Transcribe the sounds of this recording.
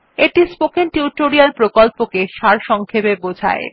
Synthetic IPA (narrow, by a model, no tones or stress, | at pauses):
eʈispokenʈiuʈoɾialpɾokɔlpokeʃaɾʃɔŋkʰepebod͡ʑʱa̰e